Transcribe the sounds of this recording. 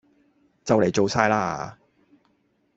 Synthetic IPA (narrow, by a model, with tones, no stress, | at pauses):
t͡sɐ˨wle˨jt͡so˨˧wsaː˧jlaː˧a̰˨